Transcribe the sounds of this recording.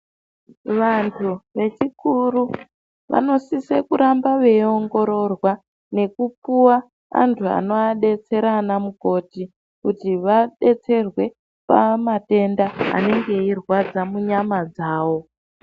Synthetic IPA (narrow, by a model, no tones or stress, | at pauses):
ʋantʰuʋe̞t͡ʃikuru | ʋa̰no̞sisekuɾambaʋeo̞ŋɡo̞ɾo̞rwa | ne̞kupuwa | a̰ntʰua̰no̞aɗe̞t͡se̞ɾanamuko̞ːti | kutiʋaɗe̞t͡se̞rwe̞ | pamate̞ndaa̰ne̞ŋɡe̞irwad͡zamuɲamad͡zaːwo̞